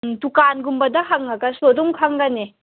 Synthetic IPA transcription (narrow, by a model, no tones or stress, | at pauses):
tukanɡumbɐdakʰaŋːaɡasodɔŋkʰaŋɡane